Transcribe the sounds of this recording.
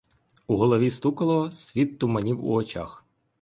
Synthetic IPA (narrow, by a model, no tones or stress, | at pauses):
uɦɔlˠɔʋʲist̪ukɐlˠɔsʲʋʲit̪ːʊmɐnʲiwṵɔt͡ʃa̰x